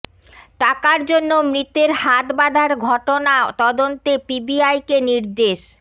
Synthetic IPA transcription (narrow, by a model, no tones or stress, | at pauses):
ʈakaɾd͡ʑonːomɾit̪eɾhat̪bad̪ʱaɾɡʱɔʈonat̪ɔd̪ont̪epibiajkeniɾd̪eʃ